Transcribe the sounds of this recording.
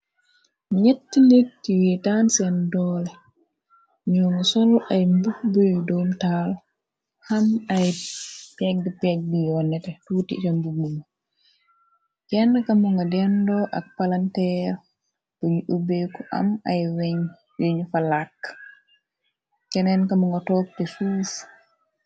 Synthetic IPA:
miɲetːilik̚tiwitansandɔːlɛ | ɲɔnasɔlajmbuk̚bujdomtal | hamajpɛɡ̚dipɛɡ̚dijɔnɛtɛtutḭtambubuma | kɛnːkamɔŋɡadɛndɔʔa̰k̚palantɛɾ | boɲiʔubekɔʔa̰majwɛɲ | jeɲfalakː | kɛnɛnkamɔŋɡatɔːk̚tɛfuːs

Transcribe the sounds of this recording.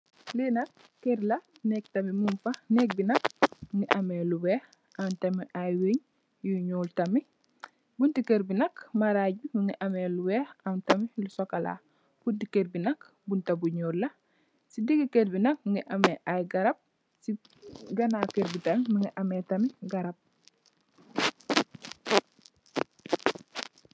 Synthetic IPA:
linɐk | kːeɾlɐ | nɛktɐmimumfɐnek̚binɐk̚mŋɡiʔɐmeluwɛːh | antɐmiʔajweɲ | juɲuːltɐmi | buntikeɾbinɐkmaɾaːɟ̚bimiŋɡiʔɐmeluweːhantɐmilusokɐla̰ | b̥undikeɾbinɐk | buntɐbuɲuːlːɐ | sidiɡikeɾbinɐk̚mŋɡiʔɐmeʔajɡɐɾɐb̚ | si | ɡɐnakeɾbitɐmiməŋɡiʔɐmetɐmiɡɐɾɐp̚

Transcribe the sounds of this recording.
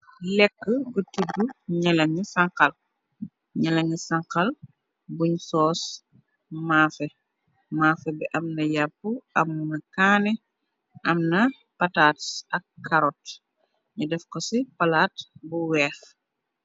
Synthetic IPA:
lɛkːəɡutidːuɲɛlɐɲisɐŋkɐl | ɲɛlɐɲisɐŋkɐl | buɲsɔːs | maːfɛ | maːfɛbɛʔɐmnɐjapːuʔɐmːunɐkaːnɛ | ʔɐmnɐ | pɐtaːtsɐkːɐɾɔt | ɲudɛfkɔsipɐlaːtbuwɛːx

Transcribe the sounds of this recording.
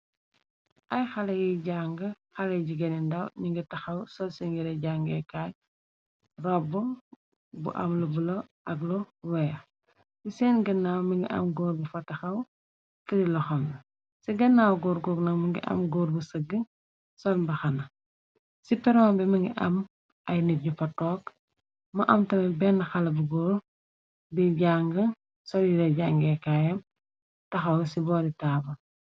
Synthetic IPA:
ʔɐjxɐlɐjiɟaŋɡɐ | xɐlɛɟiɡɐnindɐwɲiŋɡitɐxɐwsɔlsiŋɡiɾɛɟaŋɡɛkaːj | rɔbːu | bṵʔa̰mlubulɔʔɐɡlɔwɛjɐ | sisɛːnɡɐnːawmiŋɡḭʔɐ̰mɡɔːɾbufɐtːɐxɐw | tɐɾilɔxɐmlɐ | siɡɐnːawɡɔɾɡɔːknɐkmɐŋɡḭʔɐ̰mɡɔːɾbusəɡːə | sɔlmbɐxɐnɐ | sipɛɾɔːbɛmɐŋɡḭʔɐm | ʔɐjniɟufɐtɔːk | mɐʔɐmtɐmɛbɛnxɐlɐbuɡɔːɾ | biɟaŋɡə | sɔljidɐɟaŋɡɛkaːjɐm | tɐxɐwsibɔːditaːbɐ

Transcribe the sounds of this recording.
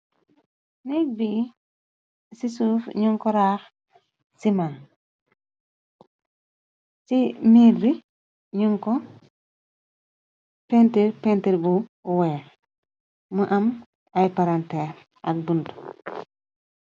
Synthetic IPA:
nik̚bi | sisuːfɲuŋkɔɾaːx | siman | simiɾbi | ɲuŋkɔ | pentiɾpentiɾbuweː | məʔɐm | ajpaɾante | ɐ̰k̚bundu

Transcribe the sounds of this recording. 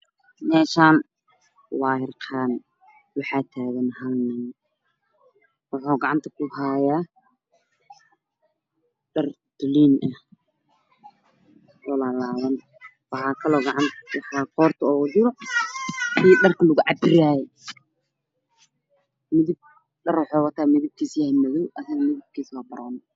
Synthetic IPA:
mɛːʃaːn | wɑːɦɪrqʰaːn | wɑħɑːt̪ʰaːɣɐnhanɐn | wɑħuːɡɑʕɑnt̪ʰɐkʰʊhaːjaː | ɖɐr | d̪̥ʊliːnʔɐ | ɔlaːlaːðɐn | wɑħɑːkʰɐlɔːɡɑʕɑnt̪ʰɐ̥kʊhɑːqɔːrt̪ʰɐɔːɣʊd͡ʒɪɾɔ | ɪjɖɐrkʰɐlʊɣʊʕɑbɪɾaːjɛ | mɪðɪb̚ | ɖɐrwɑħɔːwɑt̪ʰaːmɪðɪb̚kʰiːsjahɪmɐɣɪwʔɐsɐɣmɪðɪb̚kʰiːswɑːbɐɾɔːn

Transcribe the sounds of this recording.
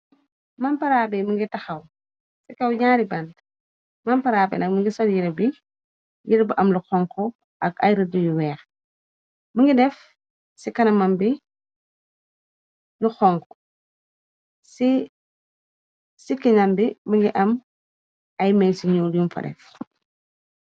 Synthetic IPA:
mampɐɾaːbiməŋɡitɐxɐw | sikɐwɲaːɾibɐnt | mɐmpɐɾaːbɛ̰nɐk̚məŋɡisɔljiɾɐbi | jiɾɐbiʔɐmluxɔŋkɔ | ɐkɐ̰jɾədujuwɛːx | məŋɡidɛf | sikɐnɐmɐmbi | luxɔŋkɔ̥ | si | sikiɲɐmbiməŋɡiʔɐm | ɐjmɛjsiɲuljumfɐ̰dɛ̰f

